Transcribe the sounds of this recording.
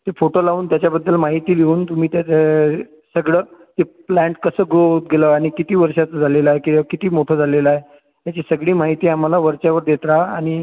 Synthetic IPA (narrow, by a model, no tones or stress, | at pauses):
t̪efoʈolauːnt̪jat͡ɕjabəd̪ːəlmaɦit̪iːliuːnt̪um̤iːt̪ja | səɡɭəːt̪eplæ̃ɳʈkəsəːɡot̪̚ɡeləaɽ̃ikit̪iːʋəɾʂat͡s̪d͡zʱaleləaɦekikit̪iːmoʈʰəːd͡zʱaleləaɦe | t̪jat͡ɕisəɡɭiːmaɦit̪iːam̤alaʋəɾt͡ɕaʋəɾd̪jet̪ɾaaɽ̃i